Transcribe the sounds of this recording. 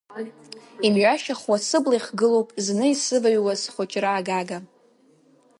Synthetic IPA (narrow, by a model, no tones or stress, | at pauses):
imʒʷᶣaʃaχwasɨblaiχɡɨlowpʼznɨisɨvaɥwazχʷʊt͡ʃʼraːɡaɡa